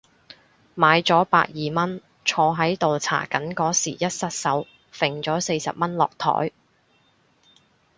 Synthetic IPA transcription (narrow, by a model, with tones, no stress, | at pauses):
maː˨˧jt͡sɔː˨˥pa̰ː˧k̚jiː˨mɐ˥n | t͡ʃʰɔː˧ɦɐ˨˥jt̪o˨wt͡sʰa̰ː˨˩kɐ˨˥nkɔː˨˥siː˨˩jɐ˥t̚sɐ˥t̚sɐ˨˥w | fɪ˨˩ŋt͡sɔː˨˥se˧jsɐ̰˨p̚mɐ˥nlɔː˨k̚t̪ʰɔ̰ː˨˥j